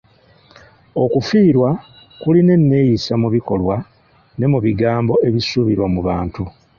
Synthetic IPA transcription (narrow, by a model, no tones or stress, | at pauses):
o̞kufiːɾwa | kuline̞nːe̞jisamuβiko̞lwa | ne̞muβiɡaːmbo̞ʔe̞βisuβiɾwamuβaːntu